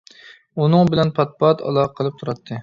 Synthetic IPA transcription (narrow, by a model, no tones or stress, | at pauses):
unɨŋbɪlɛnpʰɑt̪̚pɑt̪ʰɑ̰lˠɑqʰəlˠɨp̚t̪ʰuɾɑt̪ʰːɨ